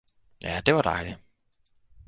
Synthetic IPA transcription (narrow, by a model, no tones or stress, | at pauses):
jæd̥eʋɑd̥ɑ̰ɪli